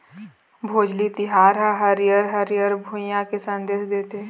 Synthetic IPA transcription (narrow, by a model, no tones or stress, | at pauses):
bʱoːd͡ʒlit̪ɪɦaːɾɦɛ̃ɦəɾjəɾɦəɾjəɾbʱujãkesə̃nd̪eːʃd̪eːt̪e